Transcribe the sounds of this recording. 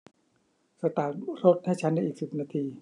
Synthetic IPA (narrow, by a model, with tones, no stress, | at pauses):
sa˧t̪aː˨˩ɾo˦˥t̪̚ha˥˩jt͡ɕʰa˦˥nda˥˩ʔiː˨˩k̚si˨˩p̚naː˧t̪ʰiː˧